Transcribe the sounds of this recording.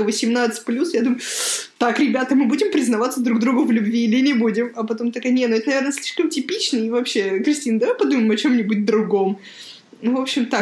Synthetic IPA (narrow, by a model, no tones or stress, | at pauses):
vəsʲɪmnat̪sɨ̥tʲplʲusjad̪umʊjʊt̪akɾʲɪbʲat̪əmɨbudʲɪmpɾʲɪznɐvat̪səd̪ɾuɡd̪ɾuɡʊvlʲʉbvʲiːlʲɪnʲɪbudʲɪmɐpɐt̪o̞mt̪ɐkajnʲetnʊɛt̪ənɐvʲernəsʲlʲiʂkəmtʲɪpʲit͡ɕnəjvɐpɕːe̞kɾʲɪsʲtʲinəd̪ɐvajpɐd̪uməmɐt͡ɕo̞mnʲɪbut̚ʲd̪ɾʊɡo̞m | nvo̞pɕːɪmt̪a